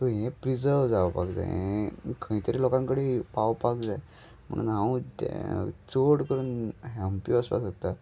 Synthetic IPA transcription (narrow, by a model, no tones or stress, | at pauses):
t̪ɔɦẽpɾid͡zəɾʋd͡zaʋpa̰kd͡za̰ɛkʰəĩt̪əɾilɔkãŋkəɽepaʋpakd͡za | m̤ə̰ɽ̃ṵːnɦãut̪ḛt͡soɽkəɾuːnɦɛmpiəspa̰sɦot̪a